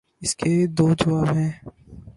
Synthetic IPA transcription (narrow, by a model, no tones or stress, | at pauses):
ɪsked̪oːd͡ʒɐʋaːbɦɛ̃ː